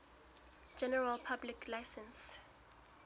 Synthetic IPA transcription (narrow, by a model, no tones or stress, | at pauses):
d͡ʒɛnɛɹalpʰablikʰlajsɛ̃ns